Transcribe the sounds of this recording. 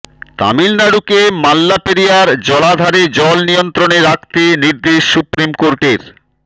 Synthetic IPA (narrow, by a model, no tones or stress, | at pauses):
t̪a̰milnaɽukemalːapeɾijaɾd͡ʑɔlad̪ʱaɾed͡ʑɔlnijont̪ɾoneɾak̚t̪eniɾd̪eʃːupɾimkoɾʈeɾ